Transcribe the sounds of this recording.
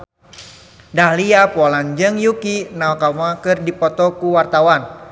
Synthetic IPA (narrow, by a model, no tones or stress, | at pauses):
dahliapɔland͡ʒəŋjukinaokamakɨrdipɔt̪ɔkuwart̪awan